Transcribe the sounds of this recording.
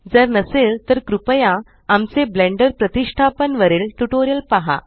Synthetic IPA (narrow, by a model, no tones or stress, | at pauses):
d͡zəɾnəselt̪əɾkɾupəjã | amt͡seblẽɳɖəɾpɾət̪iʂʈʰapənʋəɾeːlʈuʈoɾijəlpaɦa̰